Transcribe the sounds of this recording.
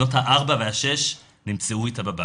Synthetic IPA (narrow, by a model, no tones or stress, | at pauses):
o̞thaʔaʁbavehaʃe̞ʃ | nimt͡seuitababa